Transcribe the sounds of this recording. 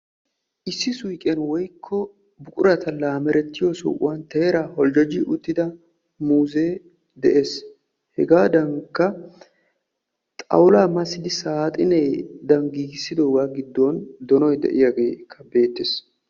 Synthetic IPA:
ʔɪsːɪsʊjkʼenwɔjkʰːɔ | bʊkʼʊɾɐt̪ɐlaːmɛɾɛt̪ːɪjɔsʊ̰ʔʊ̰want̪eːɾaːhɔld͡ʒɔd͡ʒɪʔʊt̪ːɪd̪ɐ | muːzeː | d̪ɛʔeːs | hɛɡaːd̪ɐŋkːɐ | t̪ʼɐ̰wlaːmɐsɪd̪ɪsaːt̪ʼɪnɛjd̪ɐŋɡiːɡsːɪd̪oːɡaːɡɪd̪ːond̪ɔnɔjd̪ɛ̰ʔɪjaɡeːkʰːɐbe̞ːt̪ːes

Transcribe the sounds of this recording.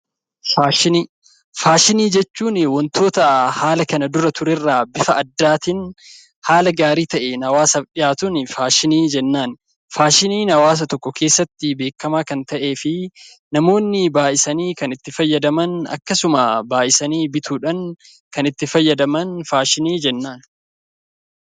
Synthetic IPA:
faːʃɪniː | faːʃɪniːd͡ʒɛt͡ʃːuːnɪwɔnt̪o̞ːt̪ɐhaːlɐkɐnɐd̪ʊɾɐt̪ʊɾɛrːaːbɪfɐɐd̪ːaːt̪ɪn | haːlɐɡaːɾiːt̪ɐʔenɐwaːsɐᶑɪjaːt̪ʊnɪfaːʃɪniːd͡ʒɛnːaːn | faːʃɪniːnɐwaːs̬ɐt̪ɔkːɔkʰe̞ːsːɐt̪ːɪbe̞ːkːɐmaːkɐnt̪ɐʔe̞ːfɪ | nɐmo̞ːnːɪbaːʔɪsɐniːkɐnɪt̪ːɪfɐjːɐd̪ɐmɐnɐ̰kːɐsʊmɐbaːʔɪsɐniːbɪt̪ʰuːᶑɐn | kɐnɪt̪ːɪfɐjːɐd̪ɐmɐnfaːʃɪniːd͡ʒɛnːaːn

